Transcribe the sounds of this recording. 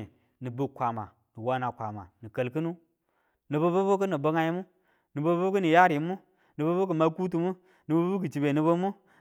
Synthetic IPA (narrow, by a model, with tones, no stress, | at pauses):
nɨ˨bu˨kʷa˨ma̰˨ | nɨ˨wa˨na˨kʷa˨ma̰˨ni˨kə˨lkɨ˦nu˦ | nɨ˨bo˦bo˦bu˦k̬ə˦ni˨bə˦ŋa˦ji˦mu˦ | nɨ˨bo˦bu˦k̬ə˦ni˨ja˦ɾi˨˦mu˦ | nɨ˨bo˦bo˦k̬ə˨ma˦ku˦t̬u˨mu˦ | nɨ˨bo˦bu˦k̬ɨ˨t͡ʃi˨be˨nɨ˨bə˦mu˦